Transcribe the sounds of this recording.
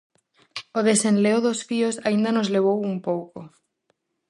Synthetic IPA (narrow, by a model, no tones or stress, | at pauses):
oðesẽnleoðosfiosaind̪anozleβ̞owumpowko